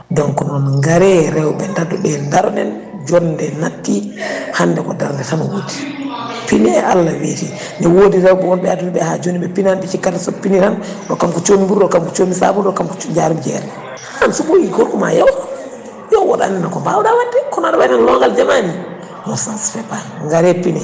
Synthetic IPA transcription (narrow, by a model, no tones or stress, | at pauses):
dɔŋkɔnɔnŋɡaɾɛɾɛwɓɛndaduɗɛndaɾɔnɗɛ̰n | d͡ʒɔndɛnatːihanːdɛkɔdaɾndɛtanɔwoːdi | piniɛʔalːaweti | nɛwodiɾɛwɓɛwɔnbɛatuiɓɛhad͡ʒoniɓɛpinanɓɛt͡ʃikːatsɔpiniɾan | ɗɔkamkut͡ʃomibuɾɗɔkamkut͡ʃomisa̰buɾɗɔkamkud͡ʒaɾumd͡ʒɛ̰ɾɛ | hansubojikoɾkuma̰jawa | jɔwɔɗa̰nɛnakɔmbawɗawadːɛkɔnaɗɔɓanɛnlɔŋɡald͡ʒamani | nɔsansfɛpa | ŋɡaɾɛpinɛ